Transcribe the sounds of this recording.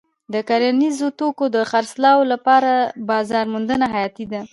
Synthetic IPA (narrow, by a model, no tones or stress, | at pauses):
d̪əkaɾanizot̪okod̪əxaɾslɑwolapɑɾabɑzɑɾmʊnd̪ənaɦajɑt̪id̪a